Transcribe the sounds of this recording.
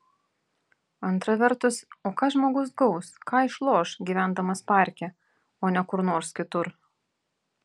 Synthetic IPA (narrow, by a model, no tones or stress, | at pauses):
ɐnt̪ɾɐʋʲɛɾt̪ʊsoːkɑːʒmoːɡʊsɡɒʊskɑːɪʃlˠoːʃɡʲiːʋʲæˑnd̪ɐmɐspɑˑɾʲkʲɛ | oːnʲɛkʊɾnoːɾskʲɪt̪ʊɾ